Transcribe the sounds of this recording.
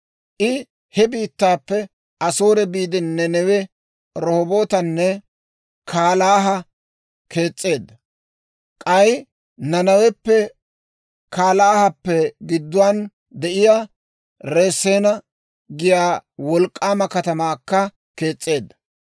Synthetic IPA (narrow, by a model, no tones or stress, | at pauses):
ʔɪ | hɛbiːt̪ːaːpːɛ | ɐsoːɾɛbiːd̪ɪnːɛnɛwɛ | ɾɔhɔboːt̪ɐnːɛ | kʰaːlaːɦɐ | kʰe̞ːt͡sʼːe̞ːd̪ːɐ | kʼɐj | nɐnɐwɛpːɛ | kaːlaːhɐpːɛɡɪd̪ːʊwaːn | d̪ɛʔɪjaː | ɾe̞ːsːeːnɐ | ɡɪjaːwɔlkʼːaːmɐkɐt̪ɐmaːkːɐ | ke̞ːt͡sʼːe̞ːd̪ːɐ